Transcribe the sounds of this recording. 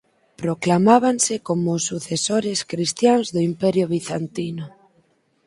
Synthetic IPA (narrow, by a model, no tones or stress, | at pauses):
pɾoklamaβ̞ansekomʊsːuθesoɾeskɾist̪jaŋzðʊimpɛɾjʊβ̞iθant̪inʊ